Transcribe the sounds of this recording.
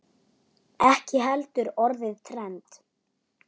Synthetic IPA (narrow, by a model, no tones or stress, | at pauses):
ɛhcɪɦɛlt̪ʏɾɔɾðɪðt̪ʰɾɛnt̪